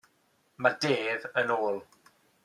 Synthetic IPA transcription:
madeːðənoːlˠ

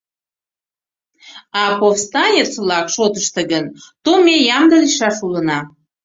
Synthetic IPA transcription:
ɑpofst̪ɑnʲet͡svlɑkʃot̪əʃt̪əɡənt̪omejɑmd̪əliʃɑʃulənɑ

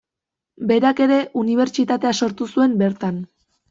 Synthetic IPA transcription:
be̞ɾake̞ɾe̞ʔuniβ̞e̞ɾt͡ʃit̪at̪e̞aso̞ɾt̪usue̞mbe̞ɾt̪an

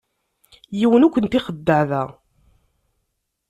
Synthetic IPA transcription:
jiwənukʷːənt̪iχəd̪ːəʕðæ

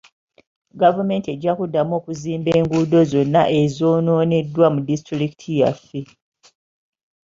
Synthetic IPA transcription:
ɡavume̞ːntie̞ɟːakudːamo̞ːkuziːmbe̞ːŋɡuːdo̞zo̞nːa̰ʔe̞zo̞ːno̞ːne̞dːwamudistɾɾikitʰija̰fːe̞

